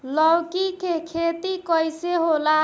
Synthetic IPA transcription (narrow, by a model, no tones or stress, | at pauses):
lɔwkikekʰet̪ikəjseɦola